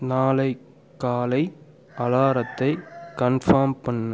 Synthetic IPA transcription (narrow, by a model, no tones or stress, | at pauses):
naːlɐɪ | kːaːlɐɪ | ʔɐlaːɾɐt̪ːɐɪkɐnfɐɾmpɐɳːɐ